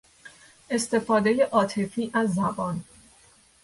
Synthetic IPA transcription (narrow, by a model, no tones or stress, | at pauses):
ʔe̞st̪e̞fɒːd̪eje̞ʔɒːt̪ʰe̞fiːʔæzːæbɒːn